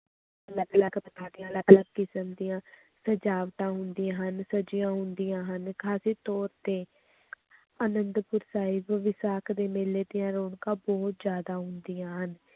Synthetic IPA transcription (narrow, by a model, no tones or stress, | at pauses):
ələɡləɡpət̪aːd̪ɪjãːləɡləɡkɪsəmd̪ɪjãː | səd͡ʒaːʋt̪ãːɦʊnd̪ijãːɦənsəd͡ʒɪjãːɦʊnd̪ɪjãːɦənkʰaːsiːt̪ɔːɾt̪eː | ənənd̪pʊɾsaːɪbʋɪsaːkʰd̪eːmeːleːd̪ɪjãːɾoːɳkãːbɔːt̪zjaːd̪aːɦʊnd̪ijãːɦən